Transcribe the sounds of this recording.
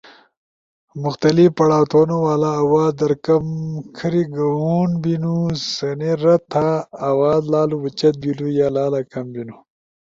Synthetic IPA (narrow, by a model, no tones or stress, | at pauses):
mʊxt̪ɐlifpɐɽaːt̪ʰoːnowaːlaːwaːd̪d̪ɐɾkɐmkʰɐɾiɡɐwuːnbinusɐneɾɐt̪ʰaːwaːd̪laːluwut͡ʃɐt̪̚bilujaːlaːlakɐmbinu